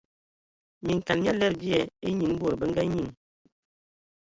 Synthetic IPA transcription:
mi˨ŋ˨ka˨nɲ˦a˦lɛ˦ɾbi˦ɛ˦˨e˦ɲi˨ŋ˦bo˦˨ɾbə˦ŋ˦ɡa˦ɲi˦˨ŋ

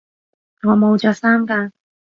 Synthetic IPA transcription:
ŋɔː˨˧mo˨˧wt͡ʃɔː˨˧k̚saː˥mkaː˧

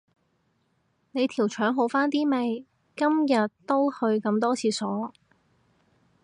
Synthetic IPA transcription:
ne˨˧jt̪ʰiː˨˩wt͡ʃʰœː˨˥ŋɦo˨˧wfaː˥nt̪iː˥me˨˧j | kɐ˥mjɐ˨t̚t̪o˥whɵ˧ɥkɐ˧mt̪ɔː˥t͡sʰiː˨˧sɔː˨˥

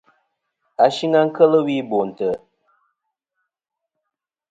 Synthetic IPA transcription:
a˨ʃi˦ŋa˦ŋ̩˦kə˦lə˦wi˦bo˨n̩˨tə˨

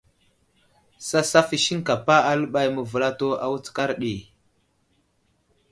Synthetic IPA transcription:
sa˦sa˦fi˦ʃi˦ŋka˨pa˦a˦lə˦ɓa˦jmə˨və˨la˦to˦a˨wu˦t͡ska˦ɾɗi˨

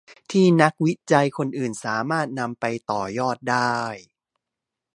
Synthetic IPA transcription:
t̪ʰiː˥˩na˦˥k̚wi˦˥t͡ɕa˧jkʰo˧nʔɯː˨˩nsaː˩˦maː˥˩t̪̚na˧mpa˧jt̪ɔː˨˩jɔː˥˩t̪̚daː˥˩j

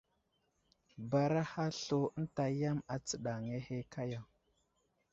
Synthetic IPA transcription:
ba˨ɾa˦ha˦ɬo˦n˦ta˨ja˦ma˨t͡sə˨ɗa˨ŋe˦he˦ka˦ja˨

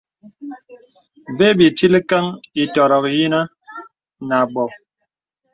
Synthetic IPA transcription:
ve˦bi˨ti˦li˦ka˦ŋi˨tɔ˨ɾɔ˨kji˦na˦ | na˨ɡ͡bɔ˨

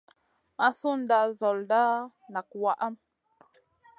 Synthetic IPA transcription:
ma˦su˦n̩˦da˦ʔzɔ˨lda˦ | na˨k̚wa˦˨ʔa˦m

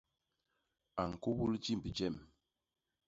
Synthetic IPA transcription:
a˨ŋ˨ku˦bu˦ld͡ʒi˦m˨bi˨d͡ʒɛ˦˨m

